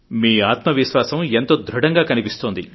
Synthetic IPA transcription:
miːaːt̪mɐʋiʃʋaːsɐment̪o̞ːd̪ʱɾuɽɐŋɡaːkɐnipist̪oːnd̪ḭ

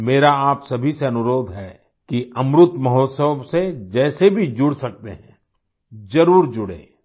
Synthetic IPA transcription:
meːɾaaːpsɐbʱiseɐnʊɾoːd̪ʱɦɛː | kiɐmɾʊt̪mɐɦoːt̪səʋsed͡ʒɛːsebʱid͡ʒʊɽsɐk̚t̪ḛɦɛ̃ | d͡ʒɐɾuːɾd͡ʒʊɽḛ̃ː

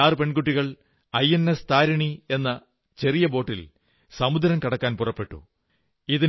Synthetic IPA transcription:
aːrɨpe̞ɳɡuʈːiɣɐɭ | ɐjenest̪aːɾɐɳie̞nːɐ | t͡ɕe̞rijɐbo̞ːʈːil | sɐmud̪ɐɾɐmkɐɽɐkːaːnpurɐpːe̞ʈːṵ | iði

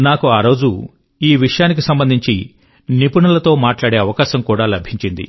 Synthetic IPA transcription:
naːkuaːɾo̞ːd͡ʒu | iːʋiʂɐjaːnik̬isɐmbɐnd̪ʱiɲt͡ʃḭ | nipuɳɐlɐt̪o̞ːmaːʈlaːɽe̞ːɐʋɐkaːʃɐmkuːɽaːlɐbʱiɲt͡ʃind̪ḭ

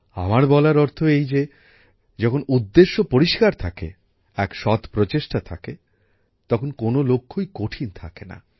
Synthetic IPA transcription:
a̰maɾbɔlaɾɔɾt̪ʰoejd͡ʑe | d͡ʑɔkʰonud̪ːeʃːopoɾiʃkaɾt̪ʰakḛ | ɛkʃɔt̪pɾot͡ɕeʃʈat̪ʰake | t̪ɔkʰonkonolokʰːojkoʈʰint̪ʰakena̰

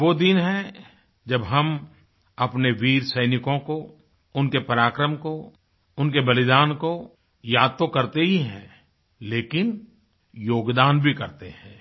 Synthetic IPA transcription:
ʋod̪inɦɛ̃ | d͡ʒɐbɦɐm | ɐpneʋiːɾsɐɪnɪkõko | ʊnkepɐɾaːkɾəmko | ʊnkebɐlɪd̪aːnko | jaːd̪̚t̪okɐɾt̪eɦiɦɛ̰̃ | leːkɪn | joːɡd̪aːnbʱikɐɾt̪eɦɛ̃ː

